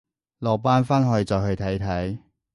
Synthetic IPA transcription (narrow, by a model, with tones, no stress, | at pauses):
lɔː˨˩paː˥nfaː˥nɦɔː˨˧jt͡sɔː˨khɵ˧ɥt̪ʰɐ˨˥jt̪ʰɐ˨˥j